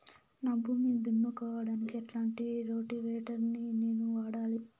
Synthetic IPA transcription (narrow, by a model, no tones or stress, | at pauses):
naːbʱuːmid̪unːukaːʋaːɽaːnikiɐʈlaːɳʈiɾo̞ːʈiʋɛːʈɐɾnineːnuʋaːɽaːli